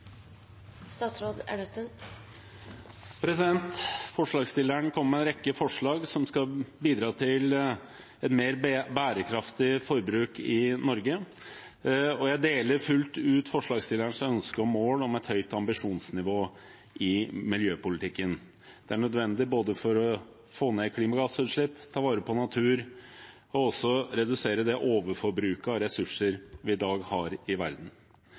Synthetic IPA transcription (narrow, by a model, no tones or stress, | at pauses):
st̪ɑːt̪sɾoːd̪æ̰ɖəst̪ʉn | pʰɾɛsɪd̪ɛnt̪fɔʂɭɑːɡst̪ɪlːəɳkʰɔmːəmɛnɾɛkːəfɔʂɭɑːɡsɔmskɑbiːd̪ɾɑːt̪ʰɪl | ɛt̪meːɾbæːɾəkʰɾɑft̪ɪfɔɾbɾʉːkɪnɔɾɡə | ɔjæɪd̪eːləɾfʉlt̪ʉːt̪fɔʂɭɑːɡsjɪləɳsœnskəɔmːoːlɔmɛt̪hœʏt̪ɑmbɪʂuːnsnɪʋoː | ʔɪmɪljøːpʊlɪt̪ʰɪkːən | d̪̥ɛæɳœd̪ʋɛnd̪ɪboːd̪əfɔɾɔ | foːneːkʰliːmɑɡɑsʉːt̪ʂɭɪpːt̪ʰɑːʋɑːɾəpʰɔnɑt̪ʰʉːɾ | ɔɔsːɔɾɛd̪ʉseːɾəd̪ɛʔoːʋəɾfɔɾbɾʉːkɑɾɛsʉʂəɾʋɪɪd̪ɑːɡhɑɾɪʋæɾd̪n̩